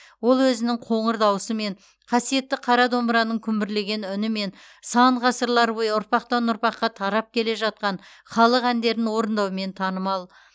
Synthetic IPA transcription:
wo̞lˠwɵzɪnɪŋqʰo̞ɴəɾd̪ɑwəsəme̞ɴ | qʰɑsije̞t̪ːɪqʰɑɾɑd̪o̞mbəɾɑnəŋkʲʰʏmbɪɾle̞ɡʲe̞nʏnɪme̞n | sɑɴʁɑsəɾlˠɑɾbojəʊɾpɑqt̪ɑnʊɾpɑqːɑt̪ʰɑɾɑp̚kʲʰe̞le̞ʒɑt̪̚qɑn | χɑlˠəqænd̪e̞ɾɪnwo̞ɾənd̪ɑwme̞nt̪ʰɑnəmɑlˠ

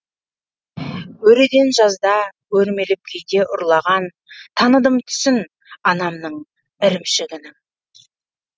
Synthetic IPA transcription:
wɵɾed̪e̞nʒɑzd̪ɑwɵɾme̞lɪp̚kʲʰejd̪e̞ʔʊɾlˠɑʁɑn | t̪ʰɑnəd̪əmt̪ʰʏ̥sɪn | ɑnɑmnəɴ | ɪɾɪmʃɪɡʲɪnɪ

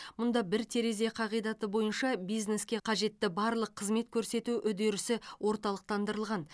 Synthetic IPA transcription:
mʊnd̪ɑbɪɾt̪ʰe̞ɾe̞ze̞qʰɑʁijd̪ɑt̪əbo̞jənʃɑbijzne̞skʲe̞qʰɑʒe̞t̪ːɪbɑɾlˠəqʰːəzme̞t̪kʲʰɵɾse̞t̪uʔʏd̪e̞ɾɪsɪwʔo̞ɾt̪ɑlˠəq̚t̪ɑnd̪əɾəlˠʁɑn

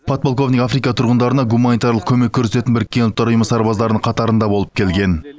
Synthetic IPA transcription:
pʰot̪̚bolˠkʰo̞vnijafɾijkɑt̪ʰʊɾʁənd̪ɑɾənɑɡumanijt̪ɑɾlˠəq̚kʲʰɵme̞kʲːʰɵɾse̞t̪ɪnbɪɾɪkʲːe̞nʊlˠt̪ːɑɾʊjəməsɑɾbɑzd̪ɑɾənəɴqʰɑt̪ɑɾənd̪ɑbo̞lˠəp̚kʲʰe̞lɡʲe̞n

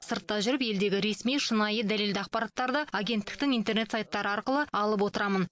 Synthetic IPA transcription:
səɾt̪ːɑʒʏɾɪpje̞ld̪e̞ɡʲɪɾe̞smijʃənɑjəd̪æle̞ld̪ɪɑqpɑɾɑt̪ːɑɾd̪əaɡʲe̞nt̪ːɪ̥kt̪ɪŋijnt̪e̞rɾne̞t̪sajt̪ːɑɾəɑɾqəlˠəɑlˠəp̬wo̞t̪əɾɑmən

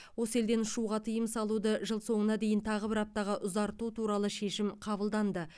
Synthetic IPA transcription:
wo̞səe̞ld̪e̞nʊʃuʁɑt̪ʰəjəmsɑlˠud̪əʒəlˠso̞ɴənɑd̪ejɪnt̪ʰɑʁəbɪɾɑp̚t̪ɑʁɑʔʊzɑɾt̪ut̪ʰuɾɑlˠəʃe̞ʃɪmqʰɑβəlˠd̪ɑnd̪ə

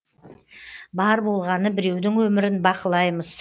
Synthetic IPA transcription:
bɑɾbo̞lˠʁɑnəbɪɾe̞wd̪ɪŋwɵmɪɾɪnbɑqəlˠɑjməz̥

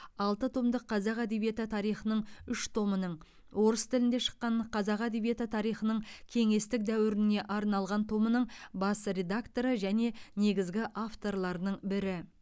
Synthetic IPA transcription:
ɑlˠt̪ət̪ʰomd̪əqʰːɑzɑqæd̪e̞bije̞t̪ət̪ʰɑɾijχənəɴʏʃt̪ʰo̞mənəɴ | wo̞ɾəst̪ʰɪlɪnd̪eʃə̥qːɑɴqʰɑzɑqæd̪e̞bije̞t̪ət̪ʰɑɾijχənəɴkʲʰe̞ŋe̞st̪ɪk̚d̪æwɪɾɪne̞ʔɑɾnɑlˠʁɑnt̪ʰo̞mənəɴbɑsɾʲe̞d̪akt̪o̞ɾəʒæne̞ne̞ɡʲɪzɡʲɪʔaft̪o̞rlˠɑɾnəɴbɪɾɪ

